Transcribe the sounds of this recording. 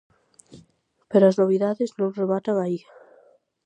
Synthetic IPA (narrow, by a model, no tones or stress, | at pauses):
peɾoaznoβiðaðɪznõŋreβat̪aβaia